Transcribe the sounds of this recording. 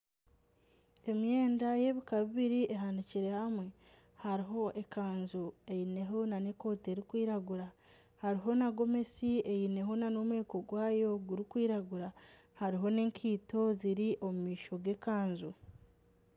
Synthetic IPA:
e̞mje̞ːndaje̞βikaβiβiɾieɦandiciɾe̞hamwe̞ | haɾiɦo̞ʔe̞kaːnzue̞jine̞ɦo̞nane̞ko̞ːteɾikwiːɾaɡuɾa | haɾiɦo̞naɡo̞me̞sie̞jine̞ɦo̞nano̞mwe̞ːko̞ɡwaːjo̞ɡuɾikwiːɾaɡuɾa | haɾiɦo̞ne̞ːŋkʰiːto̞ziɾiʔo̞mumiːʃo̞ɡe̞kaːnzu

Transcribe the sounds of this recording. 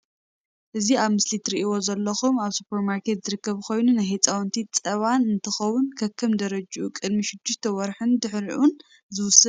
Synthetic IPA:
ʔɨziaβmɨslit̪ʰɾiʔiwo̞zɐlːɐxumaβsu̥pʰeɾmaɾkʰe̞t̪zɨɾɨkːɐβkʰo̞jnunajɦet͡sʼawnt̪ʰit͡sʼɐβanɨnt̪ʰɨxɐwʊnkʰɐkʰːɐmd̪ɐɾɐd͡ʒʔukʼɨd̪miʃɪd̪ːʊʃt̪ʰɐwɔɾħɨnd̪ɨħɾiʔun | zɨwʊsɐ

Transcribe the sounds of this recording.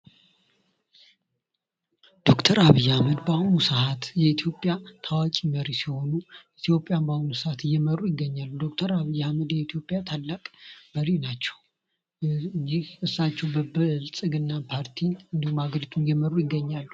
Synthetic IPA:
d̪̥o̞kt̪ʰəɾaβijːahaməd̪bahunusəhat̪jɛit̪ʰjo̞pʼjat̪ʰawat͡ʃʼiməɾisiho̞nuit̪ʰjo̞pʼːjambahunusəhat̪ɨjɛməɾujɪɡːəɲːalːud̪o̞k̚t̪ʰəɾaβijːɛhaməd̪jɛit̪ʰijo̞pʼjat̪ʰalːakʼb̥əɾinat͡ʃːɛw | d͡ʒiɨsːat͡ʃːɛwbəbɨlsʼɨɡɨnːapʰaɾt̪ʰinɨnd̪ihumaɡəɾit̪ʰunjɛməɾujɪɡːəɲːalːu

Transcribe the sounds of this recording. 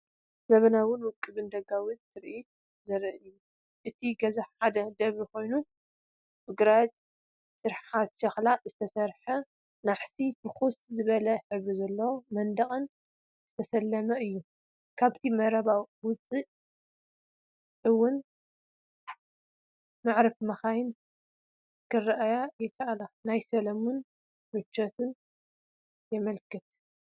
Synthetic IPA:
zɐβɐnawʊnwʊkʼːɨbɨnd̪ɐɡawɨt̪t̪ʰɨɾʔit̪̚ | zɐɾɨʔɨju | ʔɨt̪ʰiɡɐzaħad̪ɐd̪ɐβikʰo̞jnu | bɨɡɾat͡ʃʼ | sɨɾħat̪ʃɐxlazɨt̪ʰɐsɐɾħɐ | naħsifɨxuszɨβɐlɐħɨβuzɐlːomɐnd̪ɐχʼɐn | zɨt̪ʰɐsɐlːɐmɐʔɨjːu | kʰaβt̪ʰimɐɾɐβawwʊt͡sʼiʔ | ʕɨwːʊn | maʕɾɐfmɐxajɪn | kʰɨrːʔajajɛkʰːaʔalanajsɐlɐmun | mɨt͡ʃːɐt̪ʰɨn | jɛmɐlkɨt̪̚

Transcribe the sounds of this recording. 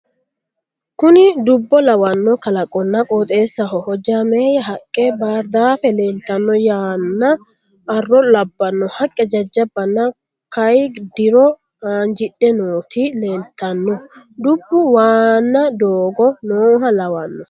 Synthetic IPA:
kʊnɪd̪ʊbːɔlɐwɐnːɔkɐlɐkʼːɔnːɐkʼoːt̪ʼe̞ːsːɐɦɔhɔd͡ʒameːjɐɦɐkʼːɛbaːɾd̪aːfɛle̞ːlt̪ːɐnːɔjaːnːɐː | rːɔlɐbːɐnːɔhɐkʼːɛd͡ʒɐd͡ʒːɐbːɐnːɐ | kɐjd̪ɪɾɔ | aːnd͡ʒɪɗːɛnoːt̪ʰile̞ːlt̪ʰːɐnːɔd̪ʊbːʊwaːnːɐd̪oːɡɔnoːɦɐlɐwɐnːɔ

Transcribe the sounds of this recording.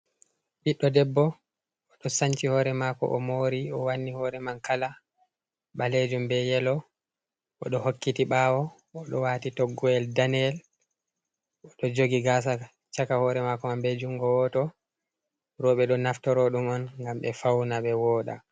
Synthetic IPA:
ɓiɗːɔdɛbːɔ | ɔɗɔsaɲt͡ʃihɔːɾɛmakɔ̰ʔɔmoɾiɔwanːihɔɾɛmankala | ɓaled͡ʒumbɛjɛlɔ | ʔɔɗɔhokːitiɓawɔː | ɗɔwaːtitɔɡːɔɛldanɛl | ɔɗɔd͡ʒoɡiɡas̬a | t͡ʃakahɔɾɛmakɔmambɛd͡ʒuŋɡɔwɔtɔ | ɾɔɓɛɗɔnaftɔɾɔɗumɔnŋɡamɓɛfawnaɓɛwɔɗa̰

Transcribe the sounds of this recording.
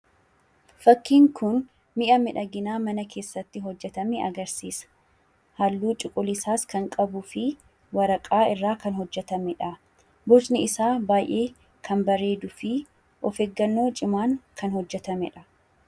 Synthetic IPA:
fɐkːiːŋkʊn | mɪʔɐmɪᶑɐɡɪnaːmɐnɐkʰe̞ːsːɐt̪ːɪɦɔd͡ʒːɛt̪ɐmɛɐ̰ɡɐɾsiːsɐ̥ | hɐlːuːt͡ʃʼɪkʼʊlɪsaːskɐŋkʼɐbʊfɪ | wɐɾɐkʼaːɪrːaːkɐnɦɔd͡ʒːɛt̪ɐmɛᶑɐ | bɔd͡ʒnɪɪsaːbaːjʔe̞ː | kʰɐnbɐɾe̞ːd̪ʊfɪ | ʔɔfeːɡːɐnːo̞ːt͡ʃʼɪmaːŋkʰɐnhɔd͡ʒːɛt̪ɐmɛᶑɐ̥

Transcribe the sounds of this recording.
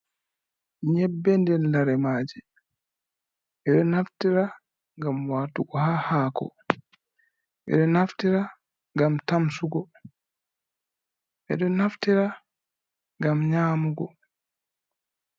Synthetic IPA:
ɲɛbːɛndɛnlaɾɛmaːd͡ʒi | ʔɛɗɔnaftiɾa | ŋɡamwaːtuɡɔhahaːkɔ̰ | ʔɛ̰ɗɔnaftiɾa | ŋɡamtamsuɡɔ | ʔɛ̰ɗɔnaftiɾa | ŋɡamɲaːmuɡɔ

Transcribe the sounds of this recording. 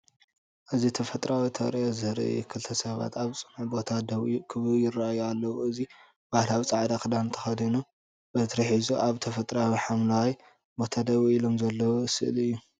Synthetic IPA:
ʔɨzit̪ʰɐfɐt̪ʼɾawit̪ʰɐ̰ɾiʔozɨhɾɐ̰jḭkʰɨlt̪ʰɐsɐβa̰t̪ʰaβt͡sʼɨnħbo̞t̪ʰad̪ɐwikʰɨβɨjɪrːaajːalːɐwuɨzi | b̥ahlawit͡sʼaʕd̪akʰɨd̪ant̪ʰɐxɐd̪inu | bɐt̪ɾɐħizuʔaβt̪ʰɐfɐt̪ʼɾawiħamnawj | bo̞t̪ʰad̪ɐβwiilo̞mzɐlːɐwosɨlɨjːu

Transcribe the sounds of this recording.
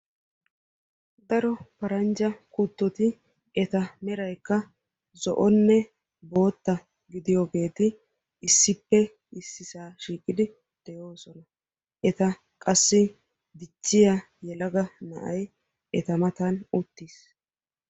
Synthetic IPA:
d̪ɐɾɔpɐɾɐnd͡ʒɐkut̪ːɔt̪ɪ | ɛt̪ɐmɛɾɐjkːɐ | zɔ̰ʔɔnːɛ | bo̞ːt̪ːɐ | ɡɪd̪ɪjoɡe̞ːt̪ɪː | sːɪpːɛ | ɪsːɪsaːʃiːkʼːɪd̪ɪ | d̪̥ɛjo̞ːsɔnɐ | ʔɛt̪ɐ | kʼɐsːɪ | d̪ɪt͡ʃːɪja | jɛlɐɡɐnɐ̰ʔɐj | ʔɛt̪ɐmɐt̪anʊt̪ːis

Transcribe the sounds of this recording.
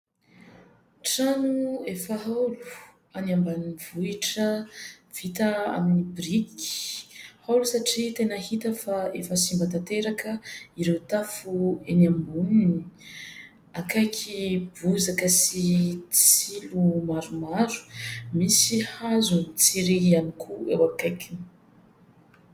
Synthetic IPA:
ʈ͡ʂanuefəɦalu̥ | anambanivuiʈ͡ʂə | v̥it̪əa̰minibriki̥hawlusaʈ͡ʂit̪enəhit̪əfaefəsimbat̪at̪eɾakəiɾewt̪afuenambunini | akajkʰibuzakəsit͡silumaɾumaɾu̥misihazunit͡siɾianikʰuḛwakajkʲu

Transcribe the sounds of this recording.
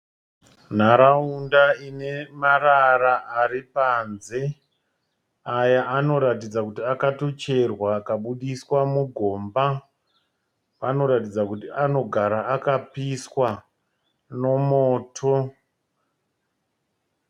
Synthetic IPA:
n̤aɾaundaine̞mararaʔaripanze̞ | ajaʔano̞ɾatid͡zakutiakato̞t͡ʃe̞rwaːkaɓuɗiswamuɡʱo̞ːmba | pano̞ɾatid͡zakutiano̞ɡʱaɾaːkapiswa | no̞moːtʰo

